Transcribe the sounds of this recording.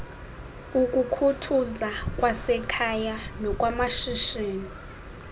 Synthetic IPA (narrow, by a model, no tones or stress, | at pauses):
ukʼukʰutʰuzakʼwasɛkʰajanɔkʼwamaʃiʃeːni